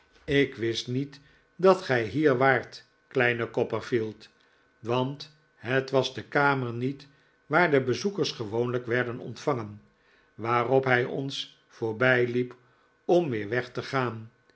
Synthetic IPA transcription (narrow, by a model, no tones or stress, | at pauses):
ɪkʋɪstnit | dɑtχɛjɦiːɹʋaːɹt | klɛjnəkɔpəɹfilˠt | ʋɑnt | ɦətʋɑzdəkaːməɹnit | ʋaːɹdəbəzukəɹsχəʋownləkʋɛɹdənɔ̰ntfɑŋən | ʋaːrɔpɦɛjʔɔ̰ns | foːɹbɛjlip | ɔmʋɪːɹʋɛχtəχaːn